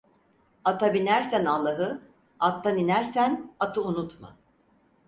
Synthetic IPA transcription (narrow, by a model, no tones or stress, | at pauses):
at̪ʰabinæɾsænalˠːaɦɯ | at̪ːaninæɾsænat̪ʰɯunut̪ma̰